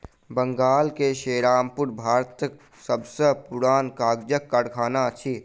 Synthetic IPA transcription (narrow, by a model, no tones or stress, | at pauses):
bə̃ŋɡaːlkeʃeːɾaːmpʊɾbʱaːɾt̪k | səbsəpuɾaːnkaːɡd͡ʒəkːaɽkʰaːnat͡ʃʰi